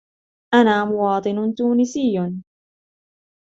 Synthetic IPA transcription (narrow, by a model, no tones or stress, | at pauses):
ʔanaːmʊwɑːt̪ˤɨnʊt̪uːnɪsɪjːʊn